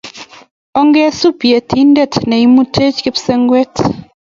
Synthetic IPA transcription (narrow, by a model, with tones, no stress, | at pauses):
ɔ˦ŋɡe˦su˦pi˨e˨tʰi˦ndɛ˦tnɛ˨i˦mu˦tʰe˦t͡ʃke˦pse˦ŋɡwe˦t